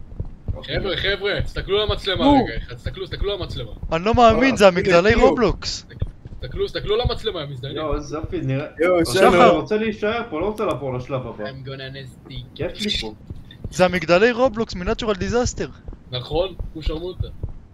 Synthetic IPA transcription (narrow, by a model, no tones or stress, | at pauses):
oevʁeχevʁet̪i̥st̪aklulamat͡slemaɡaχat̪i̥st̪aklust̪aklulamat͡slemaanilo̞meːminzeamiɡd̪alejʁobloksist̪aklust̪aklulamat͡slemamizd̪aozafiniʁeanaʁot͡sɛleiʃaeʁpoloʁot͡selapoʁlaʃlavabaamɡonanest̪ikɛfmipu | zeamiɡd̪alejʁobloksminat̪t͡ʃuʁald̪izast̪e̞ʁnaχonkuʃaʁmut̪a